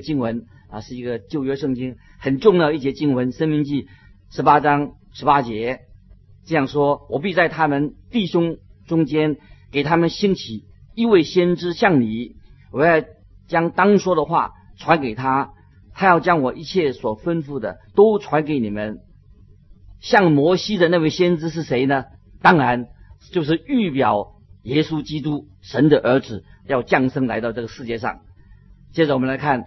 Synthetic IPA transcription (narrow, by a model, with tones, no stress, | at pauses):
t͡ɕi˥ŋwə˧˥n | a˧ʂɻ̩˥˩i˧˥ɡə˧t͡ɕjo˥˧ʊɥɛ˥ʂɤ˥˩ŋt͡ɕi˥ŋxə˨˩nʈ͡ʂʊ˥˧ŋjɑ˥˧ʊi˥˩ɕjɛ˥t͡ɕi˥ŋwə˧˥nʂə˥nmi˧˥ŋt͡ɕi˥˩ | ʂɻ̩˧˥pa˥ʈ͡ʂɑ˥ŋ | ʂɻ̩˧˥pa˥t͡ɕjɛ˧˥ | ʈ͡ʂɤ˥˧jɑ˥˩ŋʂwɔ˥wɔ˨˩p̬i˥˧t͡sa˥˩ɪt̪ʰa˥mə˨nt̪i˥˩ɕʊ˥ŋʈ͡ʂʊ˥ŋt͡ɕjɛ˥nke˨˩ɪt̪ʰa˥mə˨nɕi˥ŋt͡ɕʰi˨˩˦ | i˥˧we˥˩ɪɕjɛ˥nʈ͡ʂɻ̩˥ɕjɑ˥˩ŋni˨˩˦wɔ˨˩jɑ˥˩ʊ | t͡ɕjɑ˥ŋt̪ɑ˥ŋʂwɔ˥d̪ə˨xwa̰˥˩ʈ͡ʂʰwa˧˥nke˨˩ɪt̪ʰa˥ | t̪ʰa˥jɑ˥˩ʊt͡ɕjɑ˥ŋwɔ˨˩ʔi˧˥t͡ɕʰjɛ˥˩swɔ˨˩fə˥nfu˥˩d̪ə̰˩t̪o˥ʊʈ͡ʂʰwa˧˥nke˨˧˥ɪni˨˩mə˦n | ɕjɑ˥˩ŋmwɔ˧˥ɕi˥d̪ə˨na˥˧we˥˩ɪɕjɛ˥nʈ͡ʂɻ̩˥ʂ̬ɻ̩˥˩ʂe˧˥ɪnə˧t̪ɑ˥ŋɻa˧˥nt͡ɕjo˥˧ʊʂ̬ɻ̩˥˩y˥˩pjɑ˨˩˦ʊ | jɛ˥su˥t͡ɕi˥t̪u˥ | ʂə˧˥nd̪ə˨ʔə˞˧˥d͡zɹ̩˨˩jɑ˥˧ʊt͡ɕjɑ˥˩ŋʂɤ˥ŋla̰˧˥ɪt̪ɑ˥˧ʊʈ͡ʂɤ˥˩ɡə˩ʂɻ̩˥˧t͡ɕjɛ˥˧ʂɑ̰˥˩ŋt͡ɕjɛ˥˩ʈ͡ʂə˨wɔ˨˩mə˦nla˧˥ɪkʰa˥˩n